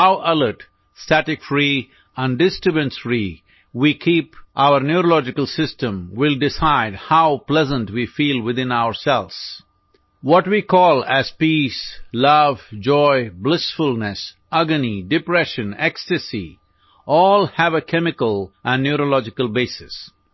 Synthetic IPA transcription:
haʊʔʌləɾʈ | stæʈɪkfɾi | ə̃nɖɪsʈɾɨbə̃nsɾi | wikʰiːpʔaʊəɾnjuɾolɔd͡ʒɪkəlˠsɪstə̃mwɪlˠɖɪsaɪdhaʊplɛzə̃nʈwifiːlˠwɪd̪ɪ̃naʊəɾsɛlz̥ | wɔʈwikʰɔːlæz̥pislʌvd͡ʒɔɪblɪsfʊlˠnəs | ʌɡənidɪpɾɛʃə̃nɛkstɨsḭ | ɔːlˠhæʋəkʰɛmɪkəlʔæ̃nːjuɾolɔd͡ʒɪkəlˠbeɪsɪs

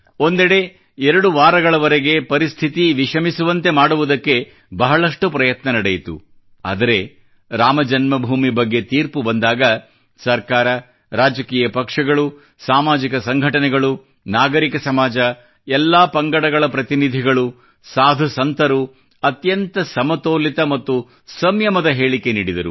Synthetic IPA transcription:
o̞nd̪ɛɽe̞ | ɛɾɐɽuʋaːɾɐɡɐɭɐʋɐɾeɡe̞pɐɾist̪ʰit̪iʋiʃɐmisuʋɐnt̪e̞maːɽuʋud̪ɐkːe̞ | bɐɦɐɭɐʂʈupɾɐjɐt̪nɐnɐɽejit̪ṵ | a̰ːd̪ɐɾe̞ | ɾaːmɐd͡ʒɐnmɐbʱuːmibɐɡːe̞t̪iːɾpubɐnd̪aːɡɐ | sɐɾkaːɾɐ | ɾaːd͡ʒɐkiːjɐpɐkʂɐɡɐɭu | saːmaːd͡ʒikɐsɐŋɡʱɐʈɐnɛɡɐɭu | naːɡɐɾikɐsɐmaːd͡ʒɐ | ɛlːaːpɐŋɡɐɽɐɡɐɭɐpɾɐt̪inid̪ʱiɡɐɭu | saːd̪ʱusɐnt̪ɐɾu | ɐt̪jɐnt̪ɐsɐmɐt̪oːlit̪ɐmɐt̪ːu | sɐmjɐmɐd̪ɐɦe̞ːɭikeniːɽid̪ɐɾṵ

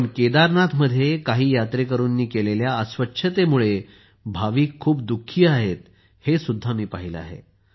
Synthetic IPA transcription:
nked̪aɾnat̪ʰməd̪ʱːjekaɦiːjat̪ɾekəɾuːnːiːkeleljaəsʋətːɕʰət̪emuɭe | bʱaʋiːkʰːuːp̚d̪ukʰːiːaɦet̪ | hesud̪ʱːamiːpaɦila̰ɦḛ

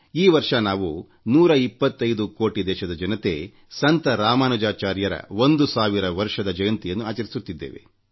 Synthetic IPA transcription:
iːʋɐɾʂɐnaːʋu | nuːɾɐipːɐt̪ːɐjd̪uko̞ːʈid̪ɛːʃɐd̪ɐd͡ʒɐnɐt̪ḛː | sɐnt̪ɐɾaːmaːnɐd͡ʒaːt͡ʃaːɾjɐɾɐ̰o̞nd̪usaːʋiɾɐʋɐɾʂɐd̪ɐd͡ʒɐjɐnt̪ijɐnːuaːt͡ʃɐɾisut̪ːid̪ːḛːʋe̞̰

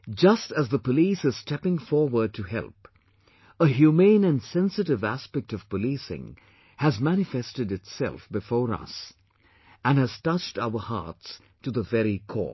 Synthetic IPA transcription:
d͡ʒʌstəzðəpəlisɨz̥stʰɛpɪ̃ŋfɔɹwə˞d̚tʰɨhɛ̰lˠp | əɦjumẽnɨ̃nsɛ̃nsɨɾɨvæspɛk̚tʌv̥pəlisɪ̰̃ŋ | hɨzmæñɨfɛstɨdɨtsɛ̰lˠfbɨfɔːɹʌ̰s | ɨ̃nɨz̥tʌt͡ʃtaʊə˞hɑ̰ɹts | tʰɨðəvɛɹikʰɔ̰

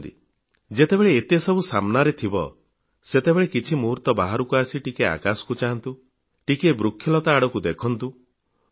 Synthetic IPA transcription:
d̪ḭ | d͡ʒet̪ebeɭeːt̪esɔbusamnaɾet̪ʰibɔ̰ | set̪ebeɭekit͡ʃʰimuɾt̪ɔbaɦaɾukuasiʈikea̰kasɔ̥kut͡ʃaɦant̪u | ʈikebɾukʰjɔlɔt̪aːɽɔkud̪ekʰɔnt̪u

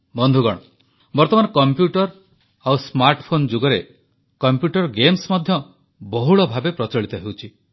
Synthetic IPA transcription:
bɔnd̪ʱuɡɔɽ̃ɔ | bɔɾt̪ɔmanɔkɔmpjuʈɔɾ | awsmaɾʈɔpʰond͡ʒoɡɔɾe | kɔmpjuʈɔɾɡemsmɔd̪ʱjɔ | bɔɦuɭɔbʱabepɾɔt͡ʃɔɭit̪ɔɦewt͡ʃʰi

